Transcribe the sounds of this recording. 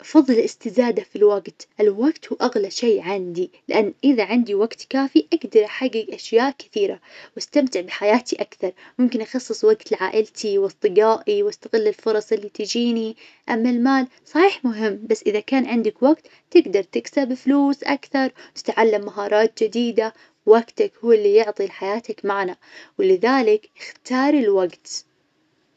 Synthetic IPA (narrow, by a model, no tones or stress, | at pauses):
ʔɑfɑðˤːɨlɪst̪ɪzaːd̪afilwaɡt̪ʔɪlwaɡt̪huːʔaɣlaʃeːʕand̪ilɪʔanːʔɪðaʕɪnd̪iwaɡt̪kaːfiʔaɡd̪ɑɾˤʔaħaɡːɪɡʔaʃjaːʔkɪ̥θiːɾa̰wast̪amt̪ɪʕbɪħajaːt̪ʰiʔakθɑɾˤmʊmkɪnʔɑxɑsˤːɨsˤwaɡt̪ɪlʕaːʔɪlt̪ʰiwɨsˤt̪ˤːɨɡaːʔiwʔast̪aɣɪlːɪlfʊɾˤɑsˤʔɪlːit̪ɪd͡ʒiːni | ʔamːalmaːl | sˤɑħiːħmʊɦɪmːbasːʔɪðakaːnʕɪnd̪akwaɡt̪ | t̪ɪɡd̪ɑɾˤt̪ɪksabɪfluːsʔa̰kθɑɾˤwt̪ɪ̥t̪ʕalːamːaɦɑːɾˤɑːt̪̚d͡ʒɪd̪iːd̪a | waɡt̪akhuwːɪlːijʊʕt̪ˤilħajaːt̪akmaʕna | wlɪðaːlɪkɪxt̪ɑːɾˤɪlwaɡt̪